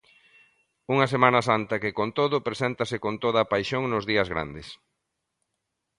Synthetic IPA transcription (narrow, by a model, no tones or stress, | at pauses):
uŋɐsemanɐsant̪ɐkɪkont̪oðʊpɾesɛnt̪ɐsɪkont̪oðɐpajʃoŋnʊzðiɐzɣɾa̰nd̪ɪs